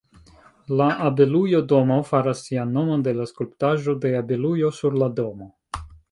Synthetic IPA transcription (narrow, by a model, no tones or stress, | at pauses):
laʔabe̞lujo̞do̞mofaɾasːianːo̞mo̞nde̞laskulptaʒo̞de̞abelujo̞suɾlado̞mo̞